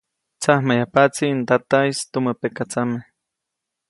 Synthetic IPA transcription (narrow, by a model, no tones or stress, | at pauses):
t͡sahmajapat͡sint̪at̪ajst̪uməpekat͡same